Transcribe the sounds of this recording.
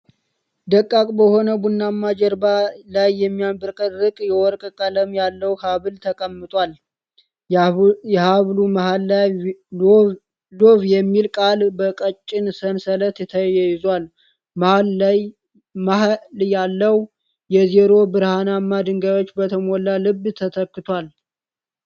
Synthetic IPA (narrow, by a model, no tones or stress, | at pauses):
d̪əkʼːakʼbəho̞nəbunːamːad͡ʒɛɾbalajːɛmːijambɨɾkʼəɾɨkʼjɛwɔɾkʼkʼələmjalːəwhaβɨlt̪ʰəkʼəmːɨt̪ʼwʷal | jɛhaβlumahalː | loβjɛmːilkʼalbəkʼət͡ʃʼːɪnsənsələt̪ɛt̪ʰəjɛjɪzwal | mahalj | maɦljalːəw | jɛzeɾo̞bɨɾhanamːad̪ɨŋɡajo̞t͡ʃːbət̪ʰəmolalɨbːt̪ʰət̪ʰəkːɨt̪ʰwal